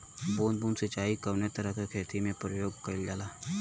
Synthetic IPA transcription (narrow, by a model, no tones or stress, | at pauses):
boːnbuːnsət͡ʃaːikəʋnet̪əɾəkakʰeːt̪imẽpɾəjoːɡkəɾɪld͡ʒaːlaː